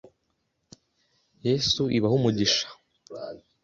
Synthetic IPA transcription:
jesuʔiβahumuɟiʃḁ

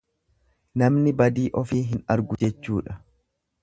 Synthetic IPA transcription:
nɐmnɪbɐd̪iːʔɔfiːɦɪnɐɾɡʊd͡ʒɛt͡ʃːuːᶑɐ

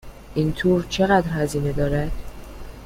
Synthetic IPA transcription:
ʔint̪ʰoːɾt͡ʃʰe̞ɣæd̪ɾhæziːne̞d̪ɒːɾæd̪̥

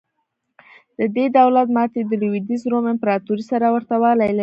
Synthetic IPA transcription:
d̪̥əd̪ed̪awlat̪mɑt̪ed̪əlwid̪izɾomɪmpɾɑt̪uɾisaɾawəɾt̪awɑlajl

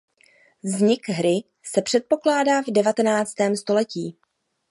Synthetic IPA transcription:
vzɲɪkɦɾɪ | sɛpr̥ɛt̪̚po̞klaːdaːvdɛvat̪ɛnaːt͡st̪ɛːmst̪o̞lɛciː

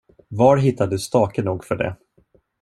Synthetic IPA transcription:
vaɾɦɪt̪ʰːad̪ɵst̪ɑːkənuːɡfœɖɛ̰

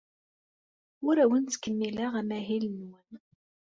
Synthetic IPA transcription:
ʊɾæwənt͡sːkːəmːilaʁæmæɦilənwən

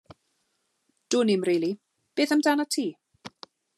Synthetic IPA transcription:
d̥ʊnɪmriːlˠi | b̥eːθamdaːnatʰiː

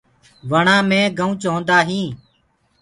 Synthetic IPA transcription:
ʋəɳãːmẽːɡəũːt͡ʃɦõːnd̪aːɦĩː

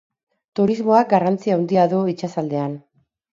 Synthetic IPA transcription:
t̪uɾizmo̞ak̚ɡarant͡siawnd̪iaðoit͡ʃasald̪e̞an

